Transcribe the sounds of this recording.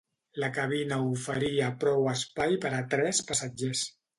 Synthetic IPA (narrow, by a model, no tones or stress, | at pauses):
ləkaβ̞inaufəɾiəpɾɔwəspajpəɾat̪ɾɛspasad͡ʒes